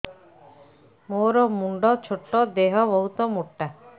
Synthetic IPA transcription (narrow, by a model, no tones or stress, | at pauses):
moɾɔmuɳɖɔt͡ʃʰoʈːɔd̪eɦɔbɔɦut̪ɔmuʈːa